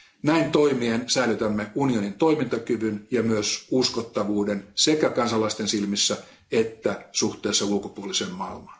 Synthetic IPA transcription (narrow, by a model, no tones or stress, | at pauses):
næint̪o̞imiensæilyt̪æmːeunio̞nint̪oimint̪ɑkyʋynjɑmyøsuskot̪ːɑʋuːdensekækɑnsɑlɑist̪ensilmisːæ | et̪ːæsuht̪ˑeːsːɑulkopuolisemmɑilmɑn